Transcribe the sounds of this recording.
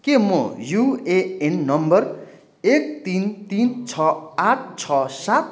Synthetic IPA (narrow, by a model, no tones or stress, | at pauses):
kemojueenːʌmbʌr | ek̚t̪int̪int͡sʰʌaʈʰt͡sʰʌsat̪̚